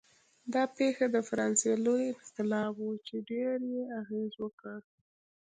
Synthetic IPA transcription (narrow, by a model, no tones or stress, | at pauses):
d̪ɑpexad̪əfaɾɑnselojɪxt̪ɪlɑbwut͡ʃeɖeɾjeaɣezwəkəɽ